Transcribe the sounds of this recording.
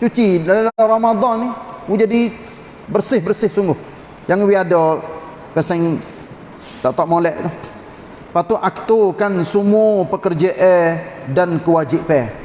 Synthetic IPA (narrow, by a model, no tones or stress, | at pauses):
t͡ʃut͡ʃidalalaaramad̪ˤɑnːiud͡ʒadi | bərsɪhbərsɪhsuŋɡʊh | jaŋwiadɔ | pɛsɛŋ | t̪aʔt̪ɔʔmolɛʔt̪ʊh | pat̪uʔak̚t̪ukansumupəkərd͡ʒəʔɛdankəwad͡ʒɪʔpɛ